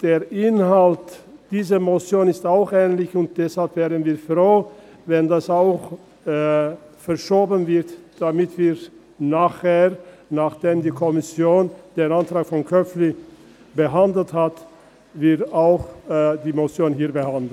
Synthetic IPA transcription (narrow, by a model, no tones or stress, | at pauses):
d̥eːɐʔɪnhaltd̥iːzəmot͡sjoːnɪstaʊxʔɛːnlɪçʊnt̚d̥ɛshalpv̥ɛːʁənviːɐfʁ̥oː | vɛndasaʊx | fɛɐʃoːbənvɪɐtd̥amɪtv̥iː | naːχheː | naχd̥eːmdiːkʰɔmɪsjoːnd̥eːnantʁ̥aːkfɔnkʰœfli | bəɦandl̩that | vɪɐtaʊxdiːmot͡sjoːnɦiːɐbəhandl̩